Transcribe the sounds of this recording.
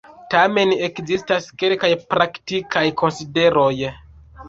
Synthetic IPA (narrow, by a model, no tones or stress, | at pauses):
tame̞nekzistaske̞lkajpɾaktikʰajkʰo̞nside̞ɾo̞j